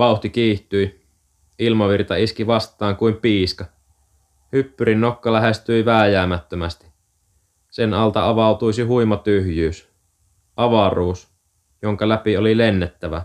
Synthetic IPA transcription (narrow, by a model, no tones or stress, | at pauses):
ʋɑˑuht̪ikiːht̪yj | ilmɑʋirt̪ɑiskiʋɑst̪ˑɑːŋkuimpiːskɑ | hypːyɾinːo̞kːɑlæɦest̪yjʋæːjæːmæt̪ːømæst̪i̥ | senɑlt̪ɑɑʋɑut̪ujsiɦujmɑt̪yhjyːs | ʔɑʋɑruːs | jo̞ŋkɑlæpiolilenːet̪ːæʋæ̰